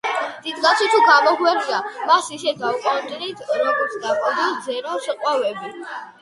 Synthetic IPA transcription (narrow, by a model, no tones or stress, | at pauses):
d̪̥id̪ɡat̪sʰwit̪ʰuɡamɔɡwɛɾd͡ʒamasisɛd̪aukʼɔnt̪ʼɾit̪ʰɾɔɡɔɾt̪sʰd̪aχʼɔd̪id̪zɛɾaʃɛqʼwavɛbi